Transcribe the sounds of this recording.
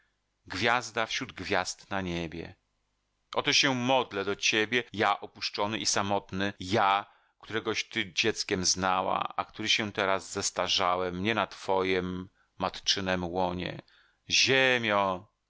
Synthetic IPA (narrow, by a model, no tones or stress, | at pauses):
ɡvʲjazd̪afɕɾud̪ɡvʲjast̪naɲebʲjɛ̰ | ʔɔt̪ɔɕɛmɔd̪lɛd̪ɔt͡ɕebʲjɛjaʔɔpuʂt͡ʂɔnɘʔisamɔt̪nɘja | kt̪uɾɛɡɔɕt̪ɘd͡ʑɛt̪skʲɛmznawa̰akt̪uɾɘɕɛt̪ɛɾazːɛst̪aʐawɛmːɲɛnat̪fɔjɛmː | at̪t͡ʂɘnɛmwɔɲɛ̰ | ʑemʲjɔ̃